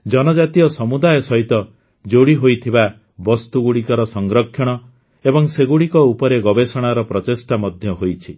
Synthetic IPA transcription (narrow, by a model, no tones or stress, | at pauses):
d͡ʒɔnɔd͡ʒat̪iɔsɔmud̪ajɔsɔɦit̪ɔ | d͡ʒoɽiɦojt̪ʰiba | bɔst̪uɡuɽikɔɾɔsɔŋɡɾɔkʰːjɔɽ̃ɔ | ebɔŋseɡuɽikɔupɔɾeɡɔbesɔɽ̃aɾɔpɾɔt̪esʈamɔd̪ʱjɔɦojt͡ʃʰi